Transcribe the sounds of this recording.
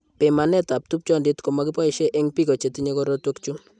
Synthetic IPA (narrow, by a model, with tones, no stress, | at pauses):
pe˨ma˨nɛ˦ta˨p̚tu˦p̚t͡ʃɔ˦ndi˦tkɔ˨ma˦ki˦pa˦i˦ʃe˦ʔe˦ŋpi˦ko˨t͡ʃe˨ti˦ɲe˦kɔ˦ɾo˦twɔkt͡ʃu˦